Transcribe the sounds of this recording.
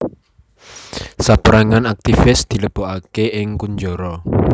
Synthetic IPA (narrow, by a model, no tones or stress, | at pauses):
sapəɾaŋanak̚t̪ifɪsd̪̥i̤ləb̥oʔakeɪŋkuɲd͡ʒɔɾɔ